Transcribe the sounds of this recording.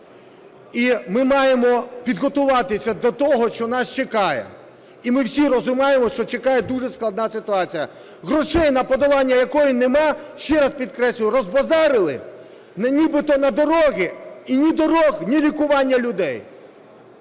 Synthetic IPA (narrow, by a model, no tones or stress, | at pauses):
imɪmɑjemɔpʲid̪ɦɔt̪ʊʋɑt̪ɪsʲɐd̪ɔt̪ɔɦɔʃt͡ʃɔnɑst͡ʃekɑjɛ̰ | imɪwsʲiɾɔzʊmɑjemɔʃt͡ʃɔt͡ʃekɑjɛd̪uʐɛsklˠɐd̪nɑsɪt̪ʊɑt͡sʲijɐ | ɦɾɔʂɛjnɐpɔd̪ɔlˠɑnʲːɐjɐkɔjinemɑʃt͡ʃɛɾɐspʲid̪̚kɾɛsʲlʲʊjʊɾɔzbɐzɑɾɪlˠɪ̰ | nnʲibɪt̪ɔnɐd̪ɔɾɔɦʲiinʲid̪ɔɾɔxnʲiɾʲikʊʋɑnʲːɐlʲʊd̪ɛj